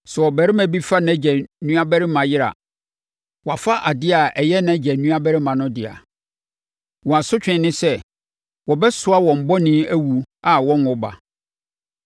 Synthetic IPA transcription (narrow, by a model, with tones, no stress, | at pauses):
sɛ˨wɔ˨bæ˨ɾɪ˦mæ̃˨bi˦fa˦nã˨˦d͡ʑɛ˨nũ˦a˦bæ˦ɾɪ˦mã˨jɪ˦ɾa̰˨ | wɔ˨a˨fa˦ʔa˨dɪ˦a˨ɛ˨jɛ˦nã˨˦d͡ʑɛ˨nũ˦a˦bæ˦ɾɪ˦mã˨nʊ̃˦dɪ˨a̰˨ | wɔ̃˨a˨sʊ˦t͡ɕᶣɪ̃˨nɪ̃˦sɛ˦ | wɔ˨bɛ˦sʊ˨˦a˦wɔ̃˨m̩˨bɔ˦nĩ˦æ˦wu˨a˨wɔ̃˦nɔ˨ba̰˨